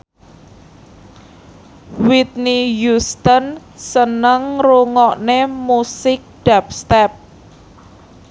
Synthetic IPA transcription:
wit̪̚nijust̪ən | sənəŋruŋɔʔnemusɪk̚d̥ap̚st̪ɛp̚

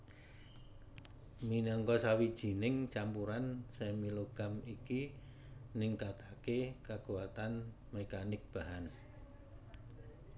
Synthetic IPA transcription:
minɔŋkɔsawid̥ʒ̥i̤nɪŋt͡ʃampuɾansɛmiloɡ̥amiki | nɪŋkat̪akekakuwat̪an | mɛkanɪk̚b̥a̤ɦan

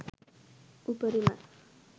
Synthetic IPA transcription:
ubəɾima

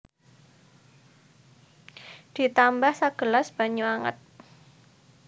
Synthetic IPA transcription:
d̥i̤t̪ambahsaɡ̥əlasb̥a̤ɲuaŋə̰t̪̚

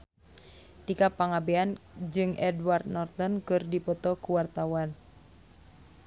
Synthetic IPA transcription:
t̪ikapaŋabɛand͡ʒɨŋɛdward̪̚nɔrt̪ɔnkɨrdipɔt̪ɔkuwart̪awan

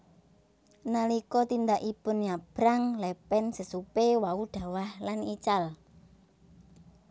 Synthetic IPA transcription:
nalikɔt̪ind̪aʔipʊnjab̥ɾaŋlɛpɛnsəsupewaud̪̥a̤wahlanit͡ʃal

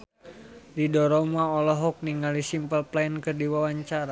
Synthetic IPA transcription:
didɔɾɔmaɔlɔɦɔk̚niŋɡalisimpəlplajnkərdiwawaɲt͡ʃaɾa

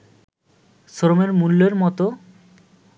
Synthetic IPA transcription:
soɾomeɾmulːeɾmɔt̪o

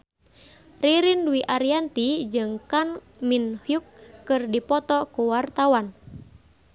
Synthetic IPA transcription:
riɾinduiʔaɾiant̪id͡ʒɨŋkan | minhjukːɨrdipɔt̪ɔkuwart̪awan

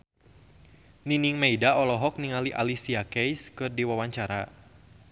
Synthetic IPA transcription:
niniŋmeidaɔlɔɦɔk̚niŋaliʔa̰lisiakɛjskɨrdiwawaɲt͡ʃaɾa

